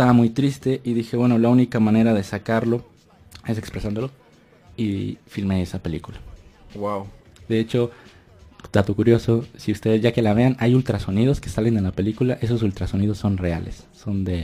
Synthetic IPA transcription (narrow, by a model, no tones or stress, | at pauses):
et̪aβamujt̪ɾist̪e̞ʔiðixe̞βwe̞no̞launikamãne̞ɾað̞e̞sakaɾlo̞ | e̞s̬e̞kspɾe̞sand̪o̞lo̞ | ifilme̞e̞sape̞likulawaw | d̪e̞et͡ʃo̞ | d̪at̪okuɾjo̞so̞siust̪e̞ðezʝake̞laβe̞anajult̪ɾaso̞nið̞o̞ske̞sale̞nd̪e̞lape̞likulaʔe̞so̞s̬ult̪ɾaso̞nið̞o̞sːo̞nre̞alʔe̞̰sːo̞nd̪e̞